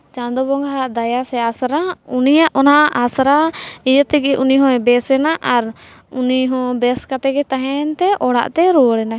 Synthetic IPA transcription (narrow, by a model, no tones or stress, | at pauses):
t͡ʃãnd̪ɔbɔŋɡʱaaʔd̪ajasɛasɾaunijaʔɔnaʔʔasɾaid͡ʒət̪ɛɡɛʔuniɦɔ̃ɛbɛsɛnaʔaɾ | uniɦɔ̃bɛskat̪ɛɡɛt̪aɦɛnt̪ɛʔɔɽa̰ʔt̪ɛɾuɽɛna